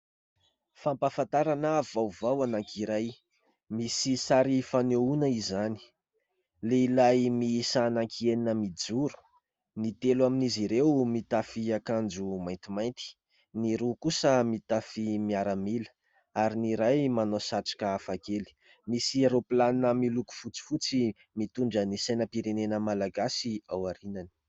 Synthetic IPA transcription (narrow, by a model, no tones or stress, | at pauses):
fampafant̪aɾanavawvawanaŋkʰiɾaj | misisaɾifaneunəizani̥ | leilajmisanaŋkʰieninəmid͡zuɾu̥ | nit̪elwaminiziɾewmit̪afiakand͡ʒumajnt̪imajnt̪i̥ | niɾukusəmit̪afimiaɾəmilə̥ | aɾiniɾajmanosaʈ͡ʂḁkəafakeli̥ | misiaɾoplaninəmiluku̥fut͡si̥fut͡si | mit̪uɳɖ͡ʐənisajnəpiɾenenəmalaɡasiawaɾinani̥